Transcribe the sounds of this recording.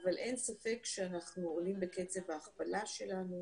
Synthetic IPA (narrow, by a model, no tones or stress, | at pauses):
avalʔe̞nsafe̞kʃeanaχnuolimbeket͡sevaːχbalaʃe̞lanu